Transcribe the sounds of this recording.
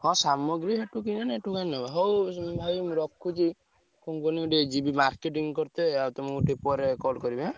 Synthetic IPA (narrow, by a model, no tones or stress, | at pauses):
hɔ̃samɔɡɾiɦeʈuk̬inaneʈukannɔaɦɔwbʱajmɾɔkʰːut͡ʃi | kuŋkɔniɡuʈed͡ʒibimaɾkeʈ̬iŋkɔɾt̪eawt̪ɔmɡuʈipɔɾekɔlkɔɾibe